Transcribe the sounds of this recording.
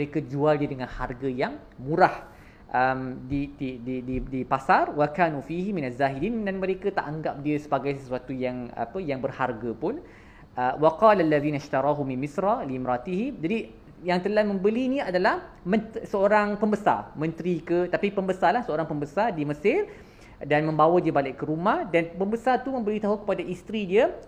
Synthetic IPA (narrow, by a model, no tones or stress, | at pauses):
məɾekad͡ʒualdiədəŋãnharɡəjaŋ | mũɾah | ʔəmdididididipasarwakaːnufihiminazːaːɦidiːndanmə̃ɾekat̪a̰ʔaŋɡap̚diəsəbaɡajsəsuat̪ujaŋa̰pəjaŋbərharɡapʊn | ʔəwaqɑːlalːaðiːnaʃt̪aɾˤɑɦuminmisɾaliːmɾat̪iɦimd͡ʒadi | jaŋt̪əlamə̃mbəlinĩadalah | mə̃nt̪səoɾaŋpəmbəsa̰rmə̃nt̪ɾikət̪apipəmbəsarlahsəoɾaŋpəmbəsardiməsɪr | danmə̃mbawadiəbalɪʔkkːəɾumahdanpəmbəsart̪umə̃mbəlit̪aɦakə̥padaʔist̪ɾidiə